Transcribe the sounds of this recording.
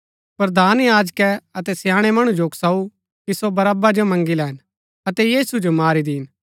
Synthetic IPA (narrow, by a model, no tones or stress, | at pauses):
pɾd̪ʱaːnjaːd͡ʒkɛɐt̪ɛsjãːɽ̃ɛmɐɽ̃ũd͡ʒoːksau | kisobɐɾaːbad͡ʒomɐ̃ŋɡilɛːɪn | ɐt̪ɛjiːsud͡ʒomaːɾid̪iːn